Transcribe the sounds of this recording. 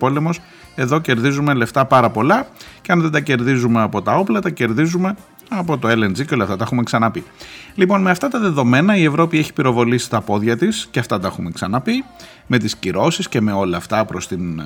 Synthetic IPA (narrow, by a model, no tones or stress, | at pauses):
po̞le̞mo̞s | e̞ðo̞ce̞ɾðizume̞le̞ft̪ɐpɐɾɐpo̞lɐceɐnðe̞d̪ɐce̞ɾðizume̞ɐpo̞t̪ɐo̞plɐt̪ɐce̞ɾðizume̞ | ɐpo̞t̪oe̞lend͡ziceo̞lɐft̪ɐt̪exumeksɐnɐpilipo̞nme̞ɐft̪ɐt̪ɐðe̞ðo̞me̞nɐie̞vɾo̞pie̞çi̥piɾo̞vo̞lisi̥t̪ɐpo̞ðʝɐt̪isceɐft̪ɐt̪ɐexume̞ksɐnɐpi | me̞t̪isciɾo̞sisce̞me̞o̞lɐɐft̪ɐpɾo̞st̪in